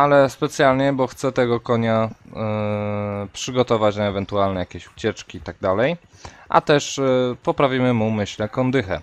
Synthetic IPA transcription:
alɛspɛt̪sʲjalɲɛbɔxt̪sɛt̪ɛɡɔkɔɲa | pʂɘɡɔt̪ɔvat͡ɕnaɛvɛnt̪ualnɛjakʲeɕu̥t͡ɕɛt͡ʂkʲiit̪aɡ̚d̪alɛjʔa̰t̪ɛʂpɔpɾavʲimɘmumɘɕlɛkɔnd̪ɘxɛ̰

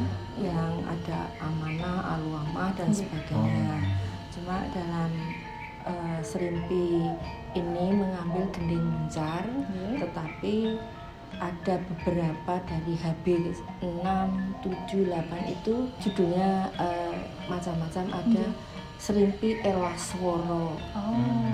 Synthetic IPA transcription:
jaŋa̰d̥aamanaha̰luamahd̥ansəb̥aɡ̥aɲa | t͡ʃuma̰ʔd̥alam | ʔəsəɾimpiː | niməŋambɪlɡ̥əndeŋəɲt͡ʃart̪ət̪api | ʔad̥a̤b̥əb̥əɾapad̥a̤ɾiɦab̥ɪkənamt̪u̥d͡ʒṳlapanḭt̪u̥d͡ʒ̥ṳd̪̥o̤ɲaə | mat͡ʃamːat͡ʃamʔa̰d̥a | səɾimpiʔelaswɔɾɔ

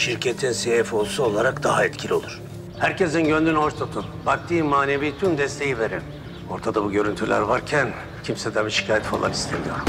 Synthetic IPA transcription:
ʃiɾcʰet̪ʰinsejɛfo̞lˠsuolˠaɾakd̪aɦaɛt̪cʰilʲio̞lˠuɾ̥ | hæɾcezinɟø̞nd̪ynhoʃt̪ʰot̪ʰunbak̚t̪ʰiːmaːneviːt̪ʰymd̪ɛst̪ʰe̞jive̞ɾin | o̞ɾt̪ʰad̪abuɟø̞ɾynt̪ʰylʲæ̰ɾvaɾcʰæn | cʰimsɛd̪ʰabiʃi̥cʰaːjɛt̪fa̰lˠa̰nist̪ʰḛd̪ij

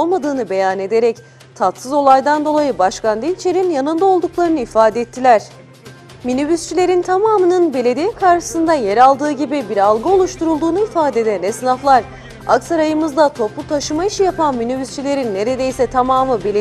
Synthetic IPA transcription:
olˠmad̪ɯːnɯbe̞jane̞d̪e̞ɾɛc | t̪ʰat̪sɯzo̞lˠajd̪and̪o̞lˠajɯbaʃkand̪int͡ʃʰe̞ɾinjanɯnd̪ao̞lˠd̪uklˠaɾɯnɯifaːd̪ɛɛt̪ʰːilʲæɾ̥ | minybyst͡ʃʰilʲe̞ɾint̪ʰamaːmɯnɯnbe̞lʲe̞d̪ijɛkʰaɾʃɯ̥sɯnd̪ajeɾalˠd̪ɯːɟibibiɾalˠɡɯo̞lˠuʃt̪uɾulˠd̪uːnuifaːd̪ɛd̪ænɛsɯnaflˠaɾ | a̰ksaɾajɯmɯzd̪at̪ʰo̞plˠut̪ʰaʃɯmaiʃijapʰanminybyst͡ʃʰilʲe̞ɾinːe̞ɾe̞d̪e̞jsɛt̪ʰamaːmɯbele

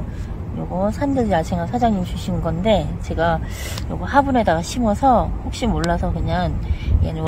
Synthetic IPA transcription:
joɡʌsʰandɯɭd͡ʑiat͡ɕʰeŋasʰad͡ʑaŋɲimt͡ɕʰuɕʰinɯnɡʌnde̞t͡ɕe̞ɡa | jo̰ɡʌhabune̞daɡaɕʰimʌsʰʌɸok̚ɕ͈imoɭːasʰʌkɯɲaŋiɡenɯ

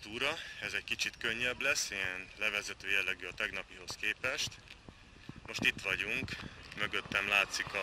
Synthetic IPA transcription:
t̪uːɾɒɛzɛckit͡ʃit̪køɲːɛblɛsːijɛnlɛvɛzɛt̪øːjɛlːɛɡyɒt̪ɛɡnɒpiɦo̞skeːpɛʃt̪ | mo̞ʃt̪it̪ʋɒɟuŋkmøɡø̞t̪ːɛmlaːt̪sikɒ

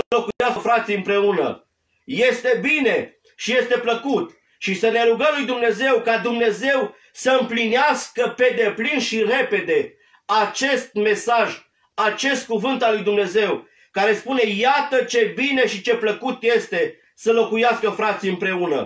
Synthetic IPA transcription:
lo̞kujasəfɾat̪sijɨmpɾe̞unə̰ | je̞st̪e̞bine̞ | ʃije̞st̪e̞pləkut̪ | ʃisəne̞ɾuɡəmlujd̪umne̞ze̞wkad̪umne̞ze̞w | səɨmplineaskəpe̞d̪e̞plinʃire̞pe̞d̪e̞ | at͡ʃe̞st̪̚me̞saʒ | at͡ʃe̞st̪̚kuvɨnt̪alːujd̪umne̞ze̞w | kaɾe̞spune̞jat̪ət͡ʃe̞bine̞ʃit͡ʃe̞pləkut̪je̞st̪e̞ | səlo̞kujaskəfɾat̪sijɨmpɾe̞unə̰

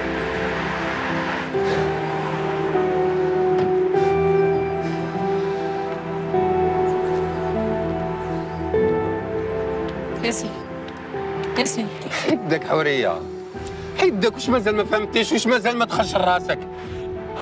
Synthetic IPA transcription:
jæsi | jæsiħid̪əkħʊɾəjːa̰ | ħid̪ːækuʃmæzælmæfhæmt̪iʃwuʃmæzælmæt̪xəlʃərˤːɑsək

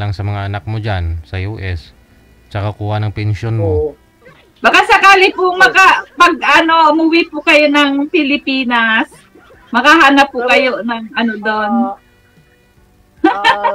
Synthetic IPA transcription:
laŋsɐmɐŋaʔɐnak̚mod͡ʒansɐjuːʔɛs | t͡ʃɐkakuːhanɐŋpɛnʃonmo | bɐkasɐkaːlɪpʊŋmɐkapɐɡ̚ɐno̞mʊwɪpʊkɐjo̞nɐŋpɪlɪpiːnɐs | mɐkaɦaːnɐpːʊkɐjo̞nɐŋʔɐnod̪o̞n

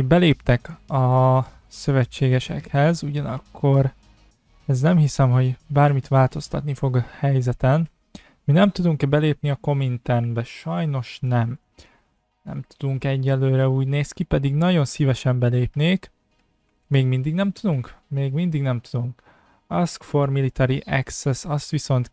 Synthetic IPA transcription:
bɛleːpt̪ɛkɒ | sø̞vɛt͡ʃːeːɡɛʃɛ̰khɛzuɟɒnɒkʰːo̞ɾ | ɛznɛmɦisɛmɦo̞ɟbaːrmit̪ʋaːlt̪o̞st̪ɒ̰t̪nifo̞ɡhɛjzɛt̪ɛn | minɛmt̪ud̪uŋkbɛleːpniɒko̞mint̪ɛrnbɛʃɒjno̞ʃnɛm | nɛ̰mt̪ud̪uŋkɛɟːɛlːøːɾɛuːɟneːskipɛd̪iɡnɒɟo̞nsivɛʃɛmbɛleːpneːk | meːɡmind̪iɡnɛmt̪ud̪uŋkmeːɡmind̪iɡnɛmt̪ud̪uŋk | ɒskformilit̪ɛɾiʔɛksɛsɒst̪ʋiso̞nt̪

